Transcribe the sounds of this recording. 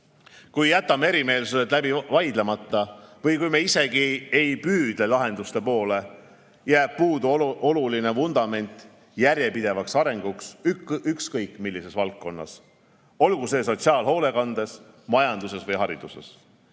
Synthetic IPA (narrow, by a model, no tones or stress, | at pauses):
kujːæt̪ːˑɑmee̞ɾime̞ːlsuset̪ˑlæbivɑjd̪lemɑt̪ːˑɑvɤjkujmeise̞ɡ̥ie̞jpyːd̪̥le̞lɑɦe̞nd̪̥ust̪e̞po̞ːle̞ | jæːb̥̚puːd̪uo̞luline̞vund̪̥ɑme̞nʲt̪ˑ | jærje̞pid̪e̞vɑksɑɾe̞ŋɡ̥uksykskɤjkːˑmilːise̞svɑlkːo̞nːɑ̰s | o̞lɡ̥use̞ːs̬o̞t̪siɑːlɦo̞ːle̞kɑnd̪̥e̞s | mɑjɑnd̪̥use̞svɤjɦɑɾid̪̥use̞̰s